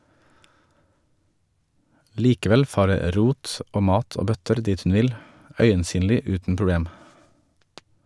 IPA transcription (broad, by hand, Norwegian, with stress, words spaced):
ˈliːkəˌʋɛl ˈfɑːɾə ə ˈɾuːt ˈoː ˈmɑːt ˈoː ˈbœtəɾ ˈdiːt ˈn̩ ˈʋɪl ˈœʏənˌsyːnlɪ ˈʉːtn̩ pɹʊˈbɽeːm